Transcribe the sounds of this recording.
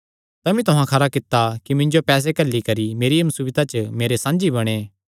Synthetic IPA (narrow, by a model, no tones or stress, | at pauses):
t̪ɐmĩt̪ʊɦãkʰɐɾakɪt̪ːakimɪ̃ɲd͡ʒopɛːs̬ekɐlːikɐɾimeːɾɪjəmsubɪt̪at͡ʃəmeːɾesãːnd͡ʒibɐɽ̃eː